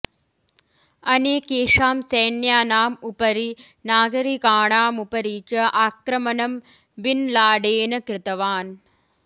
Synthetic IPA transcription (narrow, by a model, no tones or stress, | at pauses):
ɐneːkeːʂaːmsɐjnjaːnaːmupɐɾinaːɡɐɾikaːɳaːmupɐɾiːt͡ʃɐʔaːkɾɐmɐnɐm | ʋinlaːɖeːnɐkɾɪt̪ɐʋaːn